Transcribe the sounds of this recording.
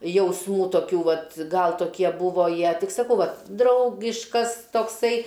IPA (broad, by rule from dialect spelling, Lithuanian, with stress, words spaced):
jɛʊsˈmuː toːˈkʲuː ˈʋɐt ˈɡɐlˠ toːˈkʲiɛ ˈbuːʋoː ˈjiɛ ˈtʲɪk sɐˈkɐʊ ˈʋɐt ˈdrɐʊɡʲɪʃkɐs toːkˈsɐɪ